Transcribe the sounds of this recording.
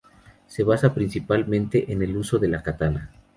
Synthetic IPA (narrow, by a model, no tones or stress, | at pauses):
se̞βasapɾinsipalmẽ̞nt̪e̞ʔene̞luso̞ðe̞lakat̪ana